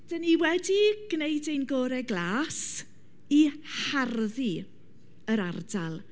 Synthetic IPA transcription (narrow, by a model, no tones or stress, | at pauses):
d̥əniwɛdiɡ̥nejdenɡɔːɾɛɡlˠaːs | iharði | əɾardalˠ